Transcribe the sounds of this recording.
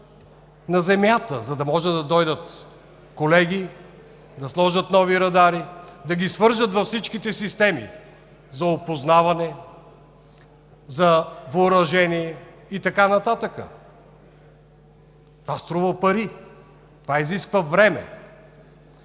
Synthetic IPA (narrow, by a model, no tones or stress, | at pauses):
nɐzɛmjat̪ə̰zɐd̪ɐmɔʒɛd̪ɐd̪ɔjd̪ət̪ | kolɛɡʲi | d̪ɐslˠɔʒət̪nɔviɾɐd̪aɾid̪ɐɡʲisvɤɾʒət̪vɐfsit͡ʃkit̪ɛsist̪ɛmḭ | zɐopoznavɐnɛ | zɐvʊɾɐʒɛniɛ | it̪ɐkanɐt̪at̪əkə̰ | t̪ovast̪ɾuvəpɐɾi | t̪ovaiziskvəvɾɛmɛ̰